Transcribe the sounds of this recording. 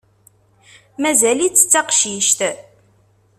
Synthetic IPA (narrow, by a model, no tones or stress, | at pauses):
mæzælit͡sːə̥t͡sːɑqʃiʃt̪